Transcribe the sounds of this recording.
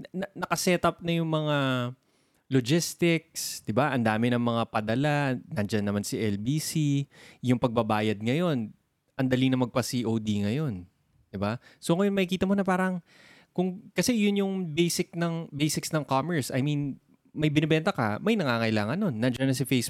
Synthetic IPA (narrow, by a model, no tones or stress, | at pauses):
nɐnɐkɐsɛt̪ɐp̚nɐjʊŋmɐŋa | lod͡ʒɪst̪ɪk̚sd̪̥ɪbaʔɐnd̪aːmɪnɐŋmɐŋapɐd̪ɐlanɐnd͡ʒanːɐmansiʔɛlbiːsijʊŋpɐɡ̚bɐbaːjɐd̪̚ŋɐjo̞n | ʔɐnd̪ɐlinɐmɐɡ̚pɐsiʔowd̪iŋɐjo̞n | d̪̥ɪbasoŋɐjo̞nmɐkikiːt̪ɐmo̞nɐpaːɾɐŋ | kʊŋkɐsɛjʊnjʊŋbejsɪk̚nɐŋbejsɪksnɐŋkamɛɹsʔɐ̰jmin | mɐjbɪnɛbɛnt̪ɐkɐ̰mɐjnɐŋaŋɐʔɪlaːŋɐnːo̞nːɐnd͡ʒɐnɐs̬ɐfejs